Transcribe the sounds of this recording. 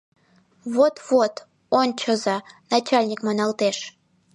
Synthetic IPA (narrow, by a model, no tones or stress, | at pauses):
βot̪vot̪ | onʲt͡ɕəzɑnat͡ɕalʲnʲikmonɑlt̪eʃ